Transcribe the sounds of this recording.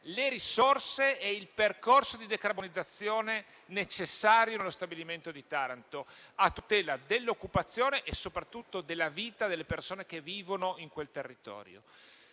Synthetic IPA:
leɾisorseɛilperkorsod̪id̪ekarbonid̪zːat̪sːjoːne | net͡ʃesːaːɾjonelːost̪abiliment̪od̪it̪aɾant̪oat̪ːut̪ɛːlad̪elːokːupat̪sːjoːneʔːsopɾat̪ːut̪ːod̪elːaviːt̪ad̪elːepersoːnek̟evːiːvonoiŋkwelt̪erːit̪ɔ̰ːɾjo̰

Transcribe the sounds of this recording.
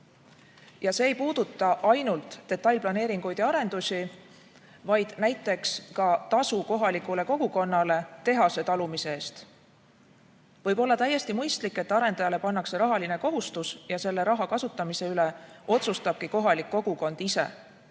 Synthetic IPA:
jɑse̞ːjpuːd̪ut̪ːˑɑʔɑjnult̪ˑːe̞t̪ːˑɑjlplɑne̞ːɾiŋɡ̥ujd̪jɑɑɾe̞nd̪̥usʲi | vɑjd̪̥næjt̪ːˑe̞kskɑt̪ɑsuko̞ɦɑlikˑule̞ko̞ɡ̥uko̞nːɑle̞t̪e̞ɦɑse̞t̪ɑlumise̞eːst̪ | vɤ̞jbo̞lːɑt̪æjːe̞st̪imɯjst̪likːe̞t̪ːˑɑɾe̞nd̪ɑjɑle̞pɑnːɑkseɾɑɦɑlineko̞ɦust̪usjɑse̞lːe̞ɾɑɦɑkɑsut̪ˑːɑmise̞yle̞o̞t̪sust̪ɑb̥kiko̞ɦɑlikːo̞ɡ̥uko̞nd̪̥ise̞̰

